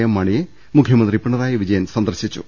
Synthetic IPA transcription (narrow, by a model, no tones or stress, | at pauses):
jɐmːɐɳije | mukʰjɐmɐnd̪ripiɳːɐðaːjiʋid͡ʑɐjɐnsɐnd̪ɐrɕit͡ɕːṵ